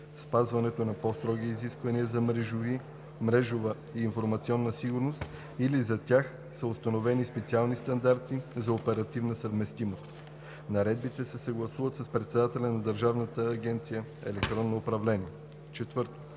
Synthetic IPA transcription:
spazvɐnɛt̪onɐpɔst̪ɾɔɡiːziskvɐniəzɐmɾɛʒovi | mɾɛʒovə | iːnfoɾmɐt̪siɔnːəsiɡʊɾnost̪ | ilizɐt̪ʲjax | səost̪ɐnovɛnispɛt̪sialˠnist̪ɐnd̪aɾt̪izɐopɛɾɐt̪ivnəsəvmɛst̪imost̪ | nɐɾɛd̪̚bit̪ɛsɛsɐɡlˠɐsuvət̪səspɾɛt̪sɛd̪at̪ɛlʲɐnɐd̪əɾʒavnət̪əːɡʲɛnt̪sijəɛ̰lɛk̚t̪ɾɔnːoːpɾɐvlɛniɛ | t͡ʃɛt̪vɤɾt̪o̥

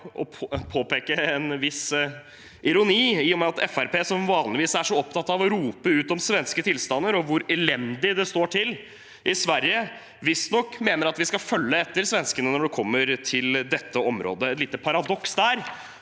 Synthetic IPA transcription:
ɔpʰpʰoːpeːkəɛnʋɪs | ɪɾʊniːɪːjɔmɛɑt̪ʰɛfæɾpeːsɔmʋɑːnlɪʋiːsæʂɔɔp̚t̪ʰɑt̪ːɑʋɔɾuːpəʉːt̪ɔmsʋɛnskət̪ʰɪlst̪ɑnːəɾɔʋʊɾɛlɛnd̪ɪd̪ɛst̪oːʈʰɪl | ʔɪsʋæɾjə | ʋɪst̪nɔkːmeːnəɾɑt̪ʋɪskɑfœlːəɛt̪ːəɾsʋɛnskənənɔɖɛkʰɔmːəɾʈʰɪld̪ɛt̪ːəɔmɾo̰ːd̪əɛt̪liːt̪ːəpʰɑɾɑd̪ɔksd̪æːɾ

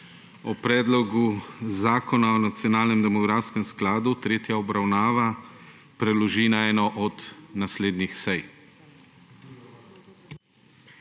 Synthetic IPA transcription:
ɔpɾɛːd̪lɔɡuzaːkɔnaɔnat̪sjɔnaːlnɛmd̪ɛmɔɡɾaːskɛmsklaːd̪ut̪ɾeːt̪jaɔbɾawnaːʋa | pɾɛlɔʒinaɛːnɔʔɔd̪nasleːd̪nixsɛj

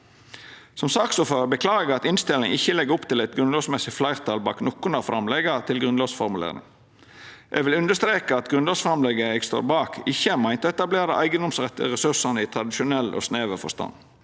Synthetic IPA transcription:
sɔmsɑːksɔføʁbəkʰlɑːɡɡɑt̪ɪnst̪ɪlɪ̰ŋɪçːəlɛɡəɾʊpt̪ʰɪlɛɪt̪ɡɾʉnloːsmɛsɪflæɪʁt̪ʰɑlbɑ̰ːknɔkːʊnəʁfɾɑmlɛɡət̪ʰɪlɡɾʉnloːsfɔɾmʉlḛːɾnɪ̰ŋ | ʔɛ̰ɡʋɪlʉnd̪əst̪ɾeːkəɑt̪ɡɾʉnloːsfɾɑmlɛɡəɛɡst̪o̰ːɾbɑːkʰɪçːəmæɪnt̪ɔɛt̪ɑbleːɾɑʔæ̰ɪɡənd̪ɔmsʁɛt̪ːə̰ʁɛsʉsɑnəɪt̪ʰɾɑd̪ɪʃʊnɛlʔo̰ːsneːʋəfɔ̰st̪ɑ̰n

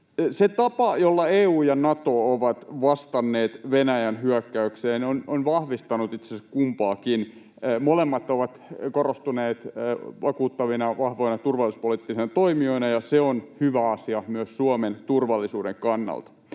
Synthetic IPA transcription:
set̪ɑpɑjolːɑeːuːjɑnɑt̪ooʋɑt̪ʋɑst̪ɑnːeːt̪ʋenæjænhyækːæykseːnononʋɑhʋist̪ɑnut̪it̪seskumpɑːkinː | molemːɑt̪ːˑoʋɑt̪korost̪uneːt̪ːʋɑkuːt̪ːɑʋinɑʋɑhʋoinɑt̪urʋɑlːˑisu̥spolit̪ːisenɑt̪oimioinɑjɑseonhyʋæɑsiɑmyøssuoment̪urʋɑlːisuːdeŋkɑnːɑ̰lt̪ɑ̥

